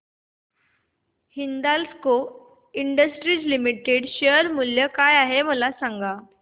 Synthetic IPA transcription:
hind̪alsko | iɳɖəsʈɾiːd͡ʑlimiʈeɽɕeəɾmuljəkajaɦeməlasaŋɡa

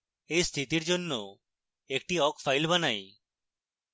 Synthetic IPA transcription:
ejst̪ʰit̪iɾd͡ʒonːo | ek̚ʈiɔkfʰajlbanaj

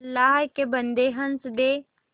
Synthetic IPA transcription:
lːaːɦkebənd̪eɦɐnsd̪eː

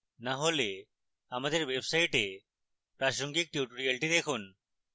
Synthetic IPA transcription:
naɦole | amad̪eɾwebsaiʈe | pɾaʃoŋɡik̚ʈjuʈuɾialʈid̪ekʰun

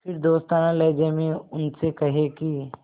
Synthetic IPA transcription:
pʰɪɾd̪oːst̪aːnãlɛːd͡ʒeːmẽʊnsekɐɦeki

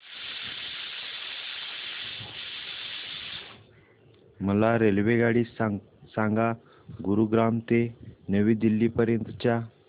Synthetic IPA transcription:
məlaɾelʋeɡaɽi | sãŋɡa | ɡuɾuɡɾamt̪enəʋiːd̪ilːiːpəɾjənt̪ət͡ɕja

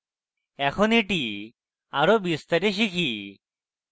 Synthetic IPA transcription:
ɛkʰɔniʈi | aɾobist̪əɾeʃikʰi

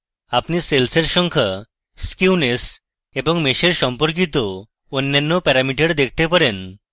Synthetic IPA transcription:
apniselseɾʃɔŋkʰa | skiunes | eboŋmeʃeɾʃɔmpoɾk̬it̪o | onːanːopɛɾamiʈeɽd̪ekʰt̪epaɾen

